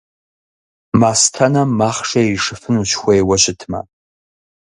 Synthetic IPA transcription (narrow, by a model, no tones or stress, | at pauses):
mastʰanamaχʂaiʂɨfɨnuʃxʷejwaʃʷɪtʰma̰